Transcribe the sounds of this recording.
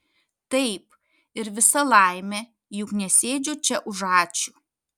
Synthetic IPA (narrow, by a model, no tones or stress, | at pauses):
t̪ɐɪp | ɪɾʋʲɪsɐlˠɐˑɪmʲɛ | jʊknʲɛsʲeːd͡ʒʲʊt͡ʃʲɛʔʊʒɑːt͡ʃʲu